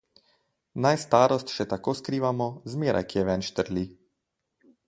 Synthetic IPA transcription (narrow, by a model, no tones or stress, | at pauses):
najst̪aːɾɔst̪ʃɛt̪akoːskɾiːʋamɔzmeːɾʔa̰jkijɛʋɛnʃt̪əɾlʲi